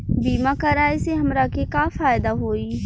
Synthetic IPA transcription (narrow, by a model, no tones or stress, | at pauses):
biːmakɐɾaːiseɦɐmɾakekafaːjd̪aɦoːi